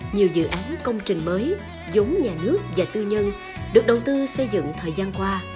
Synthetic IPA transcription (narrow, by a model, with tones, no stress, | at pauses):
ɲi˨˩əwzɨ̰˧˨ʔaː˨˦nkə˧wŋ͡mt͡ɕï˨˩ŋ̟məː˨˦j | zu˨˦ŋ͡mɲaː˨˩nɨ˦˥ək̚vaː˨˩t̪ɨ˧ɲə˧n | ɗɨ˨˩ək̚ɗə˨˩wt̪ɨ˧sə˧jzɨ̰˧˨ŋt̪ʰəː˨˩jzaː˧nkwaː˧